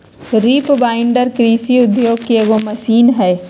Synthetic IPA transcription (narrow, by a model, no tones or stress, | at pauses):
ɾiːpbaːɪɳɖəɾkɾiːsiʊd̪joːɡ̚kieɡomɐsiːnɦɛː